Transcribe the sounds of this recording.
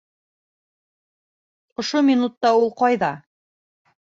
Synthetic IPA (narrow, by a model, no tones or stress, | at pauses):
ŏʃomʲinut̪ːɑulˠqɑjðɑ